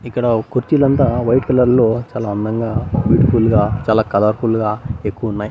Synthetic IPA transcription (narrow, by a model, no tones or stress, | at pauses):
ikːɐɽɐkuɾt͡ʃilɐnt̪aːʋɐjʈkɐlɐɾlo̞ːt͡ʃaːlaːɐnd̪ɐŋɡaːʋiːʈkuːlɡaːt͡ʃaːlaːkɐlaːɾkulɡaːe̞kːuʋɐunːaːji